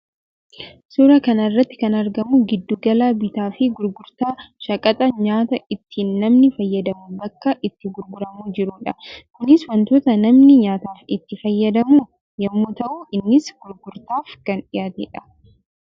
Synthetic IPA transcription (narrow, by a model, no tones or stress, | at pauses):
suɾɐkɐnɐrːɐt̪ːɪ̥kɐnɐɾɡɐmuɡɪd̪ːuɡɐlaːbɪt̪aːfɪɡʊɾɡʊɾt̪aːʃɐkʼɐt̪ʼɐɲaːt̪ɐɪt̪ːiːnːɐmnɪfɐjːɐd̪ɐmubɐkːɐʔɪt̪ːɪɡʊɾɡʊɾɐmuːd͡ʒɪɾuːᶑɐkʊnɪswɐnt̪oːt̪ɐnɐmnɪɲaːt̪aːfɪt̪ːɪfɐjːɐd̪ɐmuː | jɐmːuːt̪ɐʔuːɪnːɪsɡ̥ʊɾɡʊɾt̪aːfkɐnᶑɪjaːt̪ɛᶑɐ̥